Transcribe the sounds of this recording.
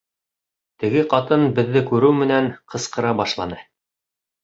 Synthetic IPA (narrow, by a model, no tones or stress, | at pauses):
t̪ɘ̆ɡɘqɑt̪ɤnbɘ̆ðːɘkʉɾɘwmɘ̆nænqɤ̆sqɤ̆ɾɑbɑʃlˠɑ̰nɤ